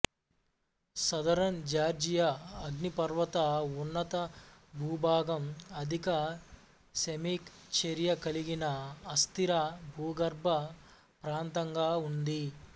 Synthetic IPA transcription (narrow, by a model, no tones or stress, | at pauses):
sɐd̪ɐɾɐnd͡ʒaːɾd͡ʒijɐɐɡnipɐɾʋɐt̪ɐunːɐt̪ɐbʱuːbʱaːɡɐmɐd̪ʱikɐ | semiːkt͡ʃeɾijɐkɐliɡinɐɐst̪iɾɐbʱuːɡɐɾbʱɐ | pɾaːnt̪ɐŋɡaːund̪i